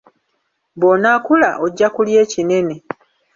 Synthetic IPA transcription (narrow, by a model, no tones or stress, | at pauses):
bonaːkulaʔo̞ɟːakulje̞ːcine̞ne̞